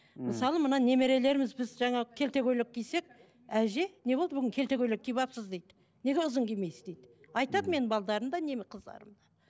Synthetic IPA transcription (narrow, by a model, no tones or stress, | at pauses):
məsɑlˠəmənɑne̞me̞ɾe̞le̞ɾɪmɪzbɪzʒɑɴɑkʲʰe̞lt̪e̞ɡʲøjlɪk̚ʲkʰʲːijse̞k̚ | æʒe̞ne̞bo̞lˠd̪əbʏɡʲɪŋkʲʰe̞lt̪e̞kʲøjlɪk̚ʲʰːijbɑpsəzd̪ejd̪ɪ | ne̞ɡʲe̞ʊzəŋkʲemejsɪzd̪ejd̪ɪ | ɑjt̪ɑd̪əme̞nɪbɑlˠd̪ɑɾəmd̪ɑne̞mqʰəzd̪ɑ̰ɾəmd̪ɑ